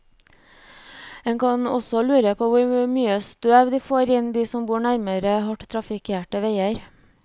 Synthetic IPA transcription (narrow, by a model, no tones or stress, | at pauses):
ɛŋkʰɑnɔ̰sɔlʉːɾəpʰoːʋʊɾmyːəst̪øːʋd̪iːfoːɾɪnd̪iːsɔmbuːɳæɾməɾəhɔʈt̪ʰɾɑfɪkʰeːʈəʋeɪəɾ